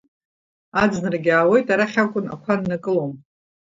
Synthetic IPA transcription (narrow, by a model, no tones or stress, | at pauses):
ad͡znɨrɡʲɪaːwe̞jtʼaɾaχʲakʷʼʊna̰kʷʰanːakʼɨlowm